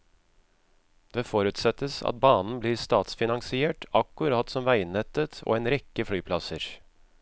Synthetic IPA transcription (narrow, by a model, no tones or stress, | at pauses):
d̪̥eːfɔɾʉt̪sɛt̪ːəsɑ̰t̪̚bɑːnn̩bliːɾst̪ɑːt̪sfɪnɑŋsɪeːʈɑkːʉɾɑːt̪sɔmʋæɪnɛt̪ːət̪ʰo̰ːeːnɾɛkːəflyːpʰlɑsəɾ